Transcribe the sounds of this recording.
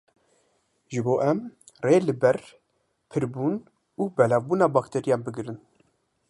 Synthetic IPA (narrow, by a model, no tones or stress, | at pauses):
ʒɨboːʔɛm | reːlɨbɛɾ | pʰɨɾbuːn | uːbɛlɑːvbuːnɑːbɑːkt̪ʰɛɾijɑːnbɨɡɨɾɨn